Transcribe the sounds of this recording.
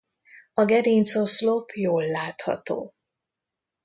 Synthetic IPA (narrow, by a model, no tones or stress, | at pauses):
ɒɡɛd̪int̪soslopʰjoːlːaːt̪hɒ̰t̪o̰ː